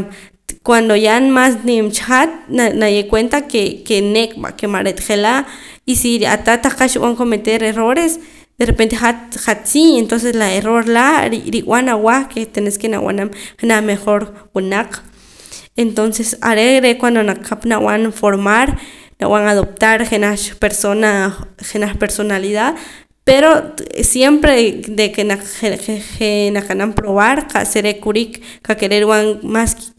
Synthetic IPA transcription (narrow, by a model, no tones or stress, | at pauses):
kwand̪ojaʔnmasnemt͡ʃχat̪̚anajeʔkwent̪akekenekʼɓa̰kemaɾet̪χelaisiɾa̰t̪at̪aχqaʃiɓaŋkomet̪eɾeɾoɾes | d̪̥eɾepent̪eχat̪χat̪t͡sient̪ons̬eslaeroɾlaɾɾiw̰anawaχket̪eneskena̰wa̰namχenameχoɾwunaq͡χ | ent̪onsesa̰ɾeɾekwand̪onaq͡χkʰːapnaw̰anfoɾmaɾna̰waŋaðop̚t̪aɾχenapeɾsonaχenaχpeɾsonaliðað | peɾosjempɾed̪ekenaeenaqanampɾoβaɾqʰa̰ʔseɾekuɾik | kakeɾeɾiwaŋmask